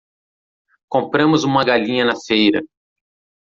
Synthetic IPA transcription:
kõmpɾɐ̃mʊzũmɐɡaʎĩɲɐnɐfejɾɐ̰

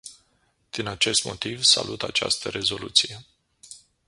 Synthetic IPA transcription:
d̪̥inat͡ʃe̞st̪mo̞t̪ivsa̰lut̪at͡ʃa̰st̪əɾe̞zo̞lut̪sije̞

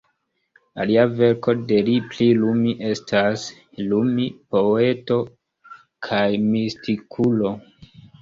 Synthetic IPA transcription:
aliave̞ɾko̞de̞liplilumiʔe̞stʰas | lumipo̞e̞to̞ | kʰajmistikʰulo̞

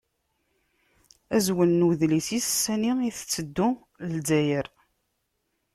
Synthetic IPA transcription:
æzwənːuðlisisə̥sːæniiθət͡sːəd̪ːʊ | ld͡zæjəɾ

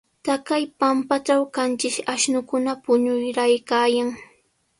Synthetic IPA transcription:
t̪akajpampat͡ʃawkant͡ʃɪʃaʃnʊkʊnapʊɲʊjɾajkaːjaŋ

